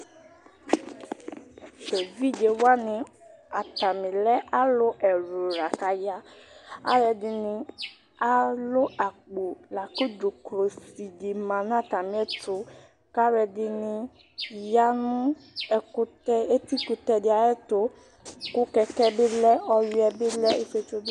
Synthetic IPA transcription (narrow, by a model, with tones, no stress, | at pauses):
te˨vi˦d͡ʒe˨wa˦nɪ̃˨a˨t̪a˨mĩ˨lɛ˦ʔa˦lʊ˦ʔɛ˨ɾo˨ɾa˨ka˨ja˦a̰˦ɾɛ˧dɪ˨nɪ̃˧ | a˦lʊ˦a˨k͡po˨la˨ko˦do˨kɾo˨si˨dɪ˨mã˨nã˦˨ta˨mĩ˨˦ɛ˦tʊ˨ | ka˦ɾɛ˧dɪ˧nɪ̃˧ | ja˦nũ˦ɛ˧kʊ˦tɛ˦e˦t̪i˦ku˧t̪ɛ˦dɪ˦a˨jɛ˦to˦ | kʊ˦kɛ˧kɛ˦bɪ˦lɛ˦ɔ˦ju˦ɛ˨bɪ˦lɛ˦e˦fe˧t͡ʃo˦b